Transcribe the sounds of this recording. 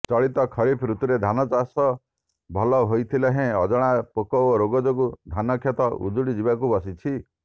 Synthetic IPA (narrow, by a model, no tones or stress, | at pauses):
t͡ʃɔɭit̪ɔkʰɔɾipʰɾut̪uɾed̪ʱanɔt͡ʃasɔ | bʱɔlɔɦojt̪ʰileɦẽɔd͡ʒɔɽ̃apokɔoɾoɡɔd͡ʒoɡud̪ʱanɔkʰjɔt̪ɔʔṵd͡ʒuɽid͡ʒibakubɔsit͡ʃʰi